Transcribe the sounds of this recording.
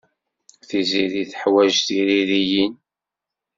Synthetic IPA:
θiziɾiθəħwæʒθiɾiɾijin

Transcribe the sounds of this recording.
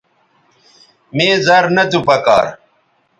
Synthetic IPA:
meːzɐɾnɐt̪upɐka̰ːɾ

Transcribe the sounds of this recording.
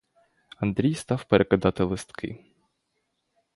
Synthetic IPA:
ɐnd̪ɾʲijst̪ɑwpeɾʔekɐd̪ɑt̪ɪlˠɪst̪kɪ̰

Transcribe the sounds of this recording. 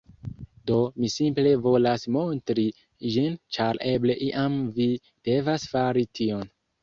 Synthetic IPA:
do̞misimple̞vo̞lasmo̞ntɾi | d͡ʒint͡ʃaɾʔe̞ble̞ʔiʔamvi | d̥e̞vasfaɾitʰio̞n

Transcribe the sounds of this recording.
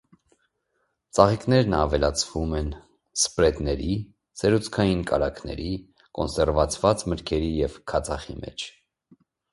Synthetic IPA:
t͡sɑʁiknɛɾnɑvɛlɑt͡sʰvumɛn | spɾɛt̪nɛɾi | sɛɾut͡sʰkʰɑjinkʰɑ̰ɾɑkʰnɛ̰ɾi | kɔnsɛɾvɑt͡sʰvɑt͡sməɾkʰɛɾijɛvkʰɑt͡sʰɑχḭmɛ̰t͡ʃʰ

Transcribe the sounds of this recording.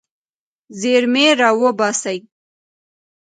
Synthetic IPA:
zeɾmeɾɑwəbɑsaj

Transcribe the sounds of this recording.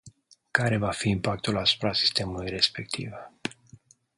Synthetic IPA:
kaɾe̞vafiːmpak̚t̪ulasu̥pɾasi̥st̪e̞mulujre̞spe̞k̚t̪ʰḭv

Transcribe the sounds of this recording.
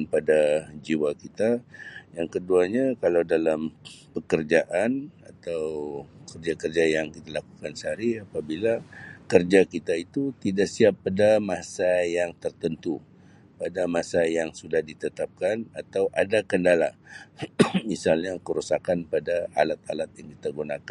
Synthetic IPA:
npadad͡ʒiwakit̪ajaŋkəduaɲakalawdalampəkərd͡ʒaʔanat̪awkərd͡ʒakərd͡ʒajaŋkit̪alakukansəɦaɾiapabilakərd͡ʒakit̪ait̪ut̪idaʔsiapːadamasajaŋt̪ərt̪ənt̪u | padamasajaŋsudahdit̪ət̪ap̚kanat̪awʔadakəndala̰ | misalɲakəɾusakanpadaa̰lat̪̚a̰lat̪̚jaŋki̥t̪aɡunakan

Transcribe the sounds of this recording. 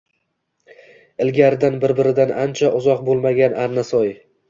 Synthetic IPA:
ɪlɡʲaɾɪd̪anbɪɾbɪɾɪd̪anant͡ʃʰaʔʊzɒq̚bolˠmaɡʲanaɾnasɒj

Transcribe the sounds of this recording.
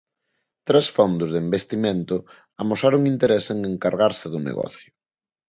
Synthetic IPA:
t̪ɾɛsfɔnd̪ʊzðembest̪imẽnt̪ʊ | amosaɾʊŋint̪eɾeseŋeŋkaɾɣaɾsɪðʊnḛɣɔ̰θjʊ

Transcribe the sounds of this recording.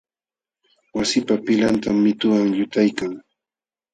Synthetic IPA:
wasɪpapɪlant̪amːɪt̪ʊwaŋjʊt̪ajkaŋ

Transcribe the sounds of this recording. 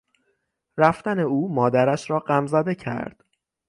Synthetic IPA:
ræft̪æne̞uːmɒːd̪æɾæʃɾɒːɢæmzæd̪e̞cʰæ̰ɾd̪̥

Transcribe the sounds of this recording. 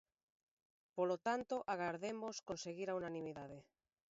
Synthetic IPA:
polot̪ant̪oʔaɣ̞aɾðemoskonseɣiɾaunanĩmiðað̞e

